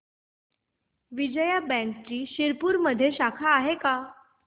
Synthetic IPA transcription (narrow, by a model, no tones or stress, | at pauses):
ʋid͡ʑəjabæ̃nkt͡ɕiːɕiɾpuːɾməd̪ʱːjeɕakʰaːɦeka